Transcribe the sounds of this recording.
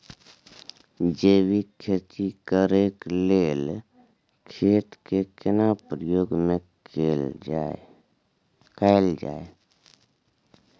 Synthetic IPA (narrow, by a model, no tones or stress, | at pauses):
d͡ʒeːwikʰet͡ʃikəɾeːkleːl | kʰeːt̪kekɪnapɾəjoːɡmẽ | kaɪld͡ʒa̰ːe